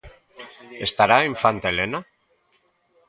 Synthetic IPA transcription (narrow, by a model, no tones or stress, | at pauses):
est̪aɾaiɱfant̪elena